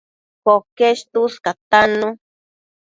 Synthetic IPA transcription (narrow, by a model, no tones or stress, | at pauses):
pokeʃt̪uskat̪anũ